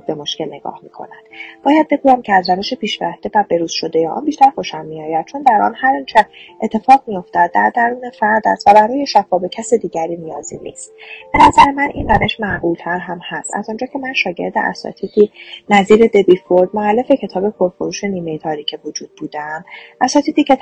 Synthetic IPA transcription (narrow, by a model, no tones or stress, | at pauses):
be̞mo̞ʃce̞lne̞ɡ̥ɒ̰ːhmḭːkʰo̞̰næd̪̥b̥ɒːjæd̪̚be̞ɡuːjæmcʲʰeæzɾæve̞ʃepʰiːʃvæhd̪e̞væbe̞ɾuːz̥ʃo̞d̪e̞jeʔɒ̰nbiːʃt̪æɾxoʃæmːiɒːjæd̪̥̚t͡ʃʰo̞nd̪æɾʔɒ̰ːnhæɾint͡ʃʰæɾe̞t̪ʰːe̞fɒːɣmijo̞ft̪æd̪̚ːæɾd̪æɾuːnefæɾd̪æ̰st̪væbæɾɒːje̞ʃæfɒːbecʰæsed̪iːɟæɾiːnijɒːzinḭːst̪b̥e̞næzæɾemænʔḭnræve̞ʃmæɣuːlt̪ʰæɾɦæmhæst̪æ̰zɔnd͡ʒɒːcʰe̞mænʃɒːɟe̞̰ɾd̪ḛʔæ̰sɒ̰t̪ʰiːd̪iːnæziːɾe̞d̪e̞biːfoɾd̪moælːe̞fe̞cʰe̞t̪ʰɒːbe̞pʰo̞ɾfoɾuːʃe̞niːme̞jet̪ʰɒːɾiːcʰevod͡ʒuːd̪̚buːd̪æmʔæsɒːt̪iːd̪iːcʰe